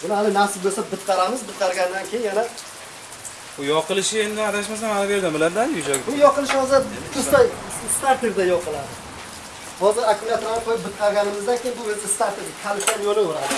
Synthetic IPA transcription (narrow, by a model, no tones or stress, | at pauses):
bʊnaalɪnafsɪzbolˠsabɪt̪qʰɑɾamɪzbɪt̪̚qʰɑɾɡʲand̪ankʲʰejɪnjana | bʊjɒqɨlɪʃɪend̪ɪaɾaʃ̬masamanabeɾd̪ambɪlaɾd̪ajʊd͡ʒaɡʲɪbʊjɒqɨlˠɪʃɪhɒzat̪ʰʊsast̪aɾt̪ʲeɾd̪ajɒqʰɨlˠad̪ɪ | hɒzɪɾakʰumʊlʲjat̪lanɪqʰojɪp̚bɪt̪̚qʰɑɾɡʲanɪmɪzd̪ankʲejɪnbʊbelsast̪aɾt̪ʰeɾʲɪkʲʰalɪʃt̪anjolɪoɾad̪ɪ